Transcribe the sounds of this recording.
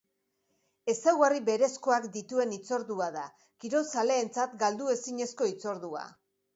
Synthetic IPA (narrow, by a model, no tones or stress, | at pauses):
e̞sawɣariβe̞ɾe̞sko̞akd̪it̪ue̞nit͡so̞ɾðuaða | kiɾo̞sale̞ːnt͡sat̪ɡald̪ue̞siɲe̞sko̞it͡so̞ɾðua̰